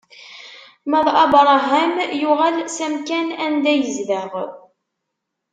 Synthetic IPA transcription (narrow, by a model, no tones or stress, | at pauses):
mæðˤɑbɾˤɑɦæmjuʁælsæmkænænd̪æjəzðəʁ